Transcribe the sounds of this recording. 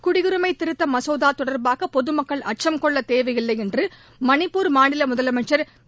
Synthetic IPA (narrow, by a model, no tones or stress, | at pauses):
kʊɽɪɣɯɾɯmɐɪt̪ɪɾɯt̪ːɐmɐsoːðaːt̪ɔɽɐɾbaːɣɐpɔðɯmɐkːɐɭɐʈ̚t͡ʃɐmkɔɭːɐt̪eːʋɐjɪlːɐɪɛndrɯ | mɐnɪpːuːɾmaːɳɪlɐmʊðɐlɐmɐʈt͡ʃːɐɾ